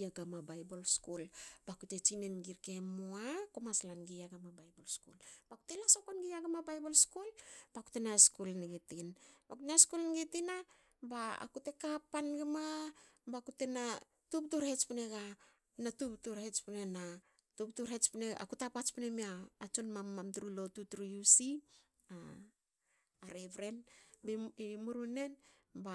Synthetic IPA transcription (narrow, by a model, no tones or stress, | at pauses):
aɡamabajbolskulb̥akute̞t͡ʃinenɡiɾke̞moakomaslanɡijaɡamabajbolskṵlb̥aku̥telasokonɡijaɡamabajbolskulb̥aku̥tenaskulniɡetinbakutnaskulnɡetina | baa̰kute̞kapːanɡemabakutena | tup̚tuɾhet͡ʃpineɡa | natuptuɾhet͡ʃpunena | tuptuɾhet͡ʃpineɡa̰kutapat͡ʃpinemiaːt͡ʃonmamːamtuɾulo̞tutuɾujusi | a | aɾeβɾe̞nbeimuɾune̞n | ba